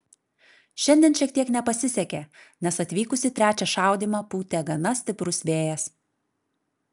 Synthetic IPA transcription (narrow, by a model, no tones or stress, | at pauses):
ʃʲɛnʲd̪ʲɛnʃʲiɛkt̪iɛknʲɛpɐsʲɪsʲɛkʲeː | nʲɛsɐt̪ʲʋʲiːkʊsʲɪt̪ʲɾʲæːt͡ʃʲɛʃɑˑʊd̪ʲiːmɑːpuːt̪ʲeɡɐnɐsʲt̪ʲɪpɾʊsʋʲeːjɛs